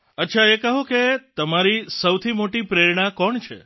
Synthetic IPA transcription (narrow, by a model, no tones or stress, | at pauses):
ətːʃʰaekəɦũket̪əmaɾisəwt̪ʰimoʈipɾeɾɳ̃ãkɔɳt͡ʃʰḛ